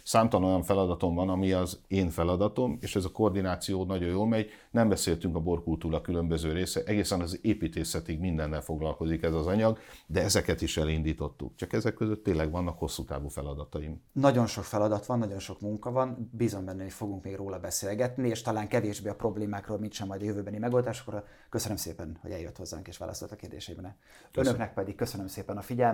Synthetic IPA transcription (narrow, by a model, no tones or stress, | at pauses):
saːmt̪ɒno̞jɒɱfɛlɒd̪ɒt̪o̞mvɒnɒmiɒzeːɱfɛlɒd̪ɒt̪o̞meːʃɛzɒko̞rd̪inaːt̪sijoːnɒɟo̞joːlmɛɟ | nɛmbɛseːlt̪yŋkɒbo̞rkult̪uːɾɒkylø̞mbøzøːɾeːsɛʔɛɡeːsɛnɒzeːpiːt̪eːsɛt̪iɡmind̪ɛnːɛlfo̞ɡlɒlko̞zikɛzɒzɒɲɒɡd̪ɛɛzɛkɛt̪iʃɛlind̪iːt̪o̞t̪ːṵkt͡ʃɒkɛzɛkːøzøt̪ːeːnlːɛɡʋɒnːɒkho̞sːut̪a̰ːvuːfɛlɒd̪ɒt̪ɒimnɒɟo̞nʃo̞kfɛlɒd̪ɒt̪ʋɒnːɒɟo̞nʃo̞kmuŋkɒvɒnbizo̞mbɛnːɛofo̞ɡuŋkmeːɡroːlɒbɛseːlɡɛt̪nieːʃt̪ɒlaːŋkɛveːʒbeːɒpro̞bleːmaːkroːlmintʃɛmːɒjd̪ɒjøvøːbɛnimɛɡo̞ld̪aːʃokro | køsønømseːpɛnho̰ɛljøt̪ho̞zːa̰ːŋkeːʃʋa̰ːlʔɒ̰stolt̪ɒ̥keːrd̪ḛːʃɛibɛnɛ | ønøknɛk̚pɛd̪ik̚køsønømseːpɛnɒfiɟɛl